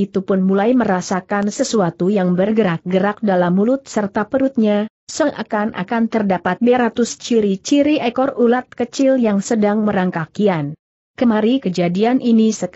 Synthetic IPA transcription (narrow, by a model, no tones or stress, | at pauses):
it̪upʊnmulajməɾasakansəsuat̪ujaŋbərɡəɾak̚ɡəɾak̚dalamːulʊt̪̚sərt̪apəɾut̪̚ɲa | səŋʔa̰kanʔa̰kant̪ərdapat̪̚beɾat̪ʊst͡ʃiɾit͡ʃiɾiɛkɔrulat̪̚kət͡ʃɪljaŋsədaŋməɾaŋkakian | kəmaɾikəd͡ʒadianʔinisək